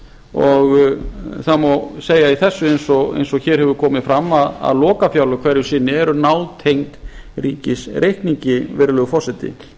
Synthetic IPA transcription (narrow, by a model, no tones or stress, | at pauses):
ɔɣθamɔseːjaiθɛsːʏejnsɔɣḛjnsɔɣçɛːɾ̥hɛvʏɾkʰɔːmɪðfɾamːaða̰ðlɔːkafjawlʏkʰv̥ɛɾjʏɾsɪnːɪɛɾʏnaːwt̪ʰejŋt̪riːcɪsrejhkniɲcɪvɛɾlœɣfɔr̥sɛt̪ɪ̰